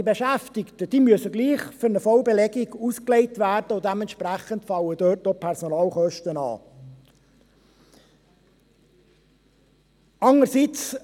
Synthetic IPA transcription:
ibeʃæftɪktəd̥iːmyəsəɡliːχfʏɾnəfɔlbelɛɡiɡuskleɪtvæɾd̥əʊdɛmɛnʃpræχəntfɑləd̥øːtopʰɛɾsonɑːlχœʃtənɑ̰ː | ɑnəɾsit͡s

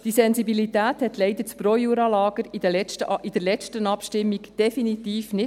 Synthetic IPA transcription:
d̥isɛnzibilit̪æːthɛt̪lɛɪd̪əɾt͡spɾojuːɾɑlɑːɡ̥əɾ̥ət͡ʃtəid̥əɾlɛt͡ʃtənɑpʃtɪmːiɡd̥ɛfinit̪iːfnɪ

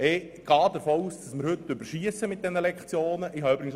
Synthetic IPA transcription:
ɪ | ɡ̥ɑːd̥̪əɾfoːuːsd̥ɑsmɪɾhɵt̪ːʏbəɾʃiəsəmɪt̪̚d̥̪ɛnəlɛkχt͡sjoːnəʔɪɦɑʏbɾɪɡən̩

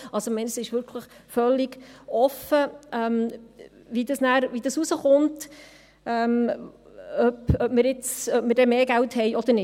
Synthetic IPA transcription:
ɑlsomɛɪnəsɪʃʋʏɾkʰləχfœlːiɡɔfəʔɛm | vidɑsnæːɾʋid̥ɑsusəχʊnt | ɛːm | œpœbməɾɪt͡sœpməɾdɛmeːɡæwthɛɪʔɔd̪əɾnɪ

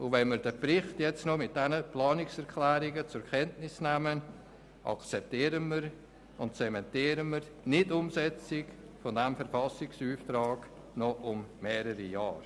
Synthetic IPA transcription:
ʊʋɛnməɾd̥əbɾɪχtjɛt͡stnɔmɪt̚d̥ɛnəplɑːnɪksɛɾkʰlɛːɾɪɡət͡sʊɾkʰɛntnɪsnæmən | ʔɑ̰kt͡sɛp̚tiːɾənməɾ | ʊntt͡sɛmɛntiːɾənməɾ | nɪdʊmsɛt͡sɪk | fɔdɛmfɛɾfɑsɪksyːftɾɑːɡ̥ | nɔʔʊmːɛːɾəɾija̰ːɾ

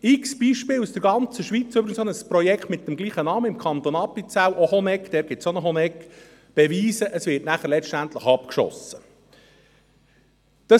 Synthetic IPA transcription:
ɪksb̥iːʃpɪːlusd̥əɾɡɑnt͡səʃʋiːt͡sʏbɾɪɡənsonəsprɔjɛkt̪mɪt̚dəmɡliːχənɑːməɪmkʰɑnt̪onɑpːit͡sæwʔɔhɔnɛkd̪ɛːɾɡ̥ɪtsonəɦɔnɛk | b̥ɛʋiːsəʔəsʋɪɾtnæχəɾlɛt͡ʃʃtænt̪ləχɑpkʃɔ̰sə | d̪̥ɑ

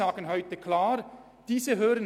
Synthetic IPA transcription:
aːɡənɦɔʏtəkʰlaːɾ | d̥iːzəɦøːɾən

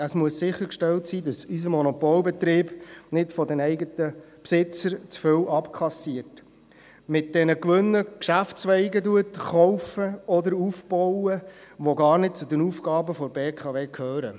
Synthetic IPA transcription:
əsmuəssɪχːəɾkʃtɛltsiːdɑsys̬əmɔnɔpɔːlbɛt̪ɾiːb̥nɪtfɔdɛnɛɪɡətə | psɪt͡səɾt͡sfʏwʔɑpkʰɑsiət | mɪt̚d̥ɛnəkʋʏnːəkʃæftt͡sʋɛɪɡəduətχɔʊfəɔdəɾufb̥ɔwəʋoɡɑːɾnɪd̚t͡sudənufɡɑːbəfɔɾbeːkʰɑveːkʰhøːɾə

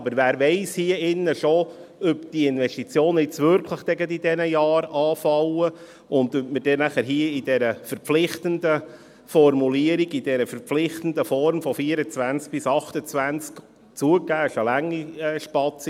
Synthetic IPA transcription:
ɑbəɾʋæːɾʋɛɪshiːəɪnːəʃoœpd̥iəɪnvɛʃtit͡sjoːnɪt͡sʋʏɾkʰləχd̥ɛɡət̪id̥ɛnəjɑːɾɑːfɑlə | ʊnd̪øtməɾd̥ɛnæχæɾɦiːəidɛɾəfəɾpflɪχt̪əndə | fɔɾmuliəɾiɡid̥ɛɾəfəɾflɪχt̪ənd̪əfɔɾmfɔfiəɾət͡svænt͡sk̚b̥ɪsɑχt̪ət͡sʋænt͡sk | t͡suəkæːɪʃəlæŋːiɛːʃpɑt͡si

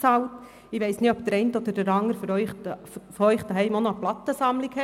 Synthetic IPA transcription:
t͡sɑlt | ɪʋɛɪsnɪɔpd̥̪əɾɛntɔd̥̪əɾd̥əɾɑŋəɾfɾœʏχ | fœʏχd̥̪əɦɛɪmonoəplɑt̪ːəsɑmlikhɛ

